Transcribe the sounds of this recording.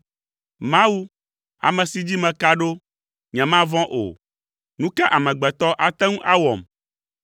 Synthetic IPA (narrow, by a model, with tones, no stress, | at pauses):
mã˦wu˦ | a̰˨mɛ̃˨si˨˦d͡ʑi˦mɛ̃˨ka˦ɖo˦ | ɲɛ̃˨mã˦vɔ̃˦ʔo̰˨ | nũ˦kɛ˦ʔa˨mɛ̃˨ɡ͡bɛ˨t̪ɔ˦ʔa˨t̪ɛ̃˦ŋũ˦ʔa˦wɔ˨m